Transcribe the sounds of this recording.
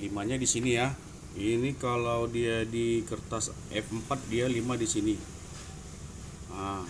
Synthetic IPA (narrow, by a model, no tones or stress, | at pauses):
limaɲadisinija | inikalawdiadikərt̪as | ʔɛfəmpat̪̚dialimadisini | a